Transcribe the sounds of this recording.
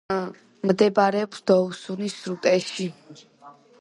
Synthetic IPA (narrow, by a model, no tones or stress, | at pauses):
md̪ɛbaɾɛɔpsd̪̥ɔusunisɾut̪ʼɛʃʃi